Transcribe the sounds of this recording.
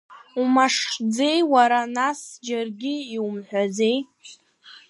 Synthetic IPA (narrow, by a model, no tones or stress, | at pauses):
umaʂχd͡ze̞jwaɾanasd͡ʒarɡʲɪːiwumħʷᶣad͡ze̞j